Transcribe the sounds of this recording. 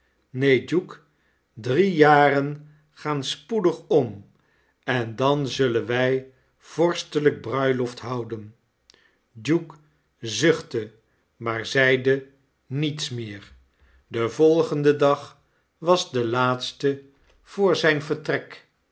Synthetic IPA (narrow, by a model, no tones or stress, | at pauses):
nejd͡ʒuk | drijaːrən | χaːnspudəχɔm | ɛndɑnzɵlənʋɛj | v̥ɔɹstələɡ̚brœɥlɔftɦʌwdən | d͡ʒuk | zɵχtə | maːɹzɛjdə | nitsmɪːɹ | dəvɔlˠχəndədɑχ | ʋɑzdəlaːtstə | v̥ʊːɹzɛjnvəɹtrɛk